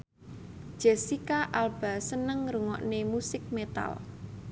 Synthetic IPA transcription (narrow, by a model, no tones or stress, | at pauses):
d̥ʒ̥ə̤sikaʔalb̥a̤sənəŋruŋɔ̰ʔnemusɪk̚met̪a̰l